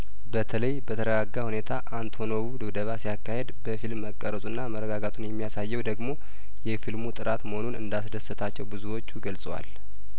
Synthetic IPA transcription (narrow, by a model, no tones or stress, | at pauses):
bət̪ʰələjbət̪ʰəɾəɡaɡːahune̞t̪ʰaʔant̪ʰo̞noβud̪ɨβd̪əβasijakːahe̞d̪bəfilmːəkʼːəɾət̪ʼunːaməɾːəɡaɡat̪ʼunjɛmːijasajːɛwd̪əɡmo̞ | jɛfilmut̪ʼɨɾʔat̪məhonunɨ̰nd̪as̬d̪əsːət̪ʰat͡ʃːɛwbɨzuwo̞t͡ʃːuɡəlsʼəwa̰l